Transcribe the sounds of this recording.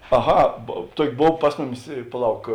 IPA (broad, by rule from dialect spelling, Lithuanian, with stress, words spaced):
ɐˈɣɐ ˈtuɔkʲɪ ˈboːw ˈpɐs mʊˌmʲɪs ɪ pɐˈlˠɐʊk